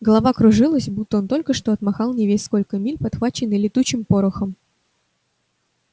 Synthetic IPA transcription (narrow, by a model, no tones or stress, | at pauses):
ɡəlˠɐvakɾʊʐɨlˠəsʲbut̪ːəo̞nt̪o̞lʲkəʂt̪o̞ɐt̪maxɑlˠnʲɪvʲesʲsko̞lʲkəmʲilʲpɐt̪xvat͡ɕːɪnːɨjlʲɪt̪ut͡ɕːɪmpo̞ɾʊxəm